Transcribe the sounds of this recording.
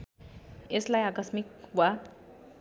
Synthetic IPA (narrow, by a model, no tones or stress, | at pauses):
eslajakʌsmik̚wa